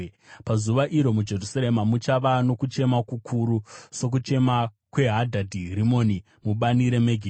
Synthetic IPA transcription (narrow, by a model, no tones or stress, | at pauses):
pazuʋaʔiɾo̞mud͡ʒe̞rusaɾemamut͡ʃaʋano̞kut͡ʃe̞makukʰuɾuso̞k̬ut͡ʃe̞ma | kwe̞ɦadʱadʱiɦɾimo̞ni | muɓaniɾe̞meɡʱi